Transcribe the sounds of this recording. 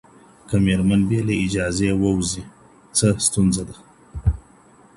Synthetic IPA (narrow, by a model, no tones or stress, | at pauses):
kameɾmanbjeleid͡ʒɑzewəwzi | t͡səst̪unzad̪a